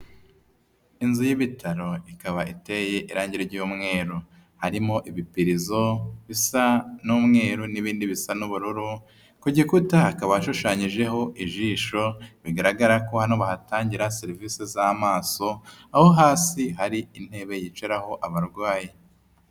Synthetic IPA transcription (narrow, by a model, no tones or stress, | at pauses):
inzujiβitʰaɾo̞ikaβaite̞je̞ʔiɾaːɲɟiɾeɾɟuːmŋe̞ːɾu | haɾimo̞ʔiβipiɾizo̞βisanuːmŋe̞ːɾuniβiːndiβisanuβuɾuɾu | kuɟikutahːkaβaaʃuʃaːɲiʒe̞ɦo̞ʔiʒiːʃo̞βiɡaɾaɡaɾako̞hanoβahataːɲɟiɾaseɾiviːsezamaːso̞aho̞ɦaːsiɦaɾiin̥he̞ːβe̞jit͡ʃeɾaho̞ʔaβaɾɡwaːji